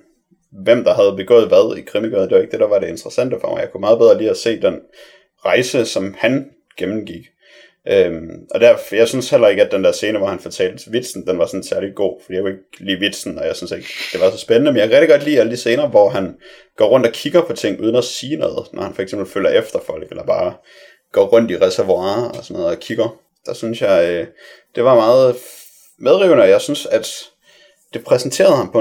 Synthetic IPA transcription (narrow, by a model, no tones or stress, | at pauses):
ʋem̰d̥ɑ̈ɦæð̞̩ˠb̥e̝ɡ̥ɔ̰̽ːð̩ˠʋæð̞ˠikʰʁɛmiɡ̥øðnd̥e̝ʋɑ̈e̝ɡ̥̚d̥e̝d̥ɑʋɑ̈ɾe̝end̥ʁɐsæn̰d̥əfɒmjɑ̈ɪkʰumɑ̈ːð̩ˠbeð̞ˠʁɐliːæse̝̰ːd̥en | ʁɑ̈ɪsəsɒ̽mhæn | ɡ̥emn̩ɡ̥iɡ̥ | ʔømʔɒ̽d̥æɐfjɑ̈ɪsynshel̰ɐe̝ɡ̥əæd̥end̥æɐse̝ːnəʋɒhænfɒt͡sʰɛ̰ːld̥t͡sʰeʋid̥sn̩d̥enʋɑ̈sɒ̽n̩sæɐliɡ̥o̝̰ːfɒd̥ḭjae̝ɡ̥lḭːʋid̥sn̩ɒ̽jäɪsynse̝ɡ̥d̥e̝ʋɑ̈sɒ̽sb̥enənəmenjakʰæʁeɡd̥iɡɒ̽d̥lḭːæləd̥ise̝ːnɐːʋɒɦæn | ɡ̥ɒ̰ːʁɔ̽n̰d̥ɒ̽kʰiɡ̥ɐpʰɒ̽t͡sʰe̝ŋ̰ʔuːð̞ˠn̩æsiːnɔ̽ːð̞̩ˠnʔɒhænfɒ̽eɡ̥semb̥l̩føl̰ɐʔefd̥ɐfɒ̽l̰ɡ̥elɐb̥ɑ̈ː | ɡ̥ɒ̰ːʁɔ̽n̰d̥iʁɛsæɐʋuɑ̰̈ːɒsɒnːɔːð̩ˠɒkʰiɡ̥ɐ | d̥ɑ̈synsjɑ̈ɪ | d̥e̝ʋɑ̈mɑ̈ːð̞̩ˠ | með̞ˠʁiʊnəɒ̽jɑ̈ɪsynsæd̥ | d̥e̝pʰʁɛsn̩t͡sʰe̝̰ːɐðˠhɑ̈mpʰɒ̽